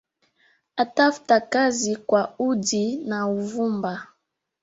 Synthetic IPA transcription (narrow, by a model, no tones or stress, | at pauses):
atafu̥takazikwaudinauvumba